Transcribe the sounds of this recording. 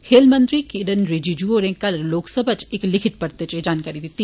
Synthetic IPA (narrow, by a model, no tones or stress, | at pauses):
heːlmə̃nd̪ɾikiɾənɾed͡ʒid͡ʒuoɾẽkɐlloːksəbʱət͡ʃeklɪkʰɪt̪̚pɐɾt̪et͡ʃed͡ʒaːnkaːɾid̪ɪt̪ːi